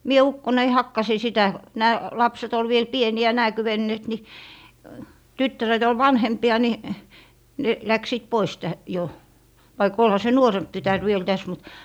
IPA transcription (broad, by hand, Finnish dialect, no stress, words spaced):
mie ukːonei hɑkːɑsi sitæ næː lɑpset ol ʋiel pieniæ næː kywenːeːt ni tytːæret ol ʋɑnhempiɑ ni ne læksiːt pois tæ jo ʋɑik olhɑ se nuoremp tytær ʋiel tæs mut